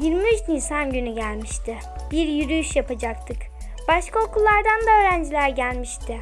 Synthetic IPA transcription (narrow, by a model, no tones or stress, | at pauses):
jiɾmyʒnisanɟynyɟælʲmiʃt̪ʰɪ | biɾjyɾyyʃjapad͡ʒakt̪ʰɯk | b̥aʃkʰao̞kʰulˠːaɾd̪and̪aøːɾænd͡ʒilʲæɾɟælʲmiʃt̪ʰɪ